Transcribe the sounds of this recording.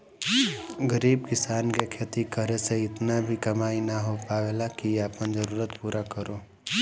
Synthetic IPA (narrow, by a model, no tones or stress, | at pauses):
ɡəɾiːb̚kɪsaːnkekʰeːt̪ikəɾeseɪt̪nabʱikɐmaːinaɦopaːʋelakiaːpənd͡ʒəɾuːɾət̪puːɾakəɾoː